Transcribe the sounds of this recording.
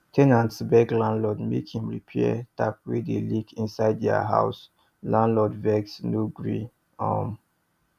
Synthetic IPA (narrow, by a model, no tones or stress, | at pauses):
tʰɛnãntsbɛɡlãnlɔdmḛkhĩmɹḭpʰɛtap̚wedelikĩnsaɪddɛa̰ɦa̰ʊs | lãnlɔdvɛksnoɡɹĩ | ɔ̰m